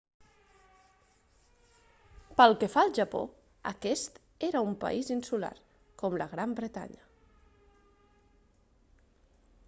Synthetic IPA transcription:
pəlˠkefalˠʒəpo̰ | ə̰kɛst̪ | eɾəumpə̰ʔizinsula̰r | kɔmləɣɾambɾət̪a̰ɲə

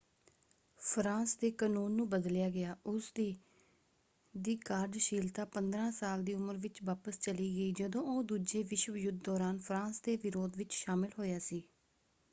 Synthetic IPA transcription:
pʰɾãːsd̪eːkaːnuːnːũːbəd̪ljaːɡɪaːʔʊsd̪iː | d̪iːkaːɾɖʃiːlt̪aːpənd̪ɾãːsaːld̪iːʊməɾʋɪt͡ʃʋaːpəst͡ʃəliːɡəiːd͡ʒəd̪õːoːd̪uːd͡ʒeːʋɪʃwəjʊd̪̚ːɔːɾaːnpʰɾãːsd̪eːʋɪɾoːd̪ʋɪt͡ʃʃaːmɪlɦoːjaːsiː

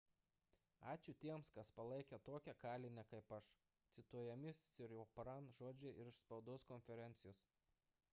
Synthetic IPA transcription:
ɑːt͡ʃʲʊt̪ʲiɛmskɐspɐlˠɐɪkʲɛt̪oɔkʲɛkɑːlʲɪnʲɛkɐɪpɐʃ | t̪sʲɪt̪uɔjɛmʲɪɪɾʲoːpɾɐnʒoːd͡ʒʲɛɪɾɪʃspɐʊd̪oːskɔnʲfʲɛɾʲɛnʲt̪sʲɪjoːs

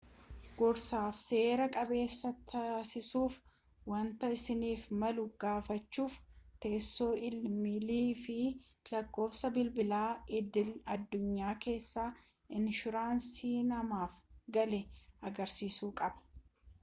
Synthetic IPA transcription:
ɡ̥ɔɾsaːfse̞ːɾɐkʼɐbe̞ːsːɐt̪ʰɐsɪsuːf | wɐnt̪ɐɪsɪniːfmɐlʊɡ̥aːfɐt͡ʃːuːft̪e̞ːsːo̞ːɪlmɪliːfɪ | lɐkːo̞ːfsɐbɪlbɪlaːʔɪd̪ɪlɐd̪ːʊɲːaːke̞ːsːaː | ɪnʃʊɾaːnsiːnɐmaːfɡɐlɛɐɡɐɾsiːsuːkʼɐbɐ̥

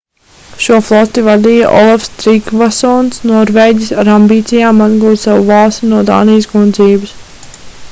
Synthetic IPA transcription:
ʃuːɔflˠɔt̪iʋad̪iːjɐʔɔlˠafst̪ɾikʋasɔːnsnɔːɾʋeːɟʲisaɾambiːt̪sijaːmːazɡuːd̪saʋuvɑːlˠst̪inuɔd̪a̰ːnijsɡunziːbɪs

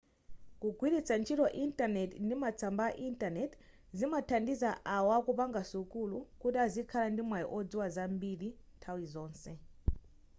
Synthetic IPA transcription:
kuɡʱwiɾit͡sant͡ʃʰitɔʔintanɛtndimat͡sʰambaʔintanɛt | zimatʰandizaʔawakupaŋɡasukulukutiazikʰalandimwajɔ̰ʔɔd͡ziwazambiɾintʰawizɔːnsɛ

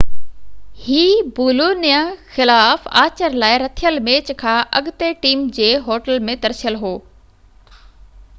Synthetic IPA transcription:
hiːbuːloːnijãxɪlaːfa̰ːt͡ɕəɾlaːɪɾɐt̪ʰijəlmeːt͡ɕkʰãːʔɐɡt̪eʈiːmd͡ʑeːɦoːʈəlmẽt̪ɐɾsijəlɦoː

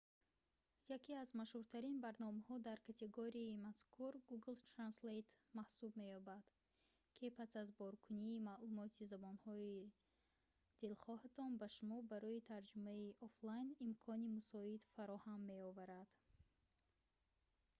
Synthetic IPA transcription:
jakʰiazmaʃhuɾt̪ʰaɾinbaɾnɔmahɔd̪aɾkʰat̪ʰe̞ɡoɾiimaskʰuɾɡuɡlt̪ʰɾanslet̪mahsubme̞jɔbad̪̥ | kʰipʰasazbɔɾkʰuniːmalumɔt̪ʰizabɔnhɔi | d̪̥ilχɔhat̪ʰɔnbaʃumɔbaɾɔit̪ʰaɾd͡ʒumaiʔɔflajnimkʰɔnimusɔid̪faɾɔhamːe̞ɔvaɾad̪̥

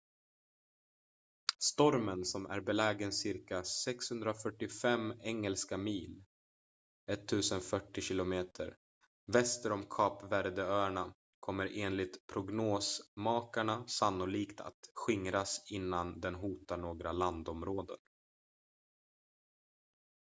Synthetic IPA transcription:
st̪ɔɾmənsɔmæ̰ɾbɛlɛːɡənsɪɾkasɛkshɵnd̪ɾafœʈːɪfɛmɛŋːəlskamiːl | ɛt̪ʰːʉ̟ːsənfœʈːɪɕɪlʊmeːt̪ʰə̰ɾ | vɛst̪əɾɔmkʰɑːpvæɾd̪əœːɳa | kʰɔmːəɾʔeːnlɪt̪pʰɾʊɡnoːsmɑːkaɳasanːʊliːkt̪ʰa̰t̪ɧɪŋɾasɪnːand̪ɛnɦuːt̪aɳoːɡɾaland̪ɔmɾoːd̪ə̰n

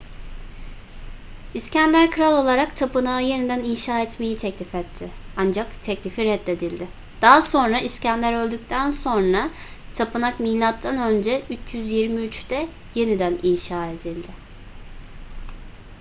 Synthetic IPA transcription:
iscænlʲæɾkʰɯɾalˠo̞lˠaɾakt̪ʰapɯnaɯje̞nid̪æninʃaːɛt̪me̞jit̪ʰɛclʲifɛt̪ʰːɪand͡ʒakt̪ʰɛclʲifiɾɛd̪e̞d̪ilʲd̪ɪ | d̪̥aɦaso̞nɾaiscænlʲæɾø̞lʲd̪yc̚ʲt̪ʰænso̞nɾa | t̪ʰapɯnakmiːlʲat̪ʰːanø̞nd͡ʒɛyt͡ʃjyzjiɾmiyt͡ʃt̪ɛ | je̞nid̪æninʃaːe̞d̪ilʲd̪ɪ

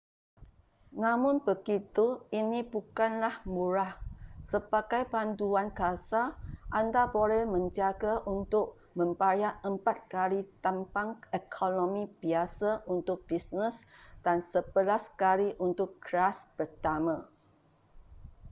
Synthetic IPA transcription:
nãmʊ̃nbəɡit̪uinibukanlahmuɾahsəbaɡajbanduankasaʔandabolɛhmə̃ɲd͡ʒaɡaʔunt̪ʊk̚ | mə̃mpajaʔəmpat̪̚kalit̪ampaŋɛkʰonomibiasaʔunt̪ʊk̚b̥isnəsd̥ansəbəlaskaliʔunt̪ʊkːɾaspərt̪amã

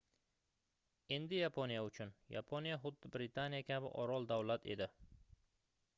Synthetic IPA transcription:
e̞nd̪ɪjapʰonijaʊt͡ʃʰʊnja̰pʰonijaχʊd̪ːɪbɾɪt̪ʰanijakʲʰabɪ̰ʔɒɾɒlˠd̪awlat̪ʰe̞̰d̪ɪ

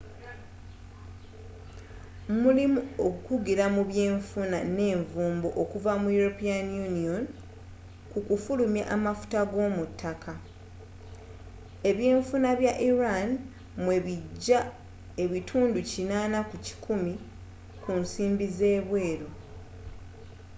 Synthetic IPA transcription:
mulimuokukuɡiɾamuβje̞ːɱfunane̞ːɱvuːmboʔokuvamujuɾopianjunio̞n | kukufulumja̰ʔamafu̥taɡo̞ːmutʰːakʰa | e̞βje̞ːɱfunaβjaʔiɾan | mwe̞βiɟːa | e̞βitʰuːnducinaːnakuci̥kʰumi | kunsiːmbize̞ːβwe̞ːɾo̞

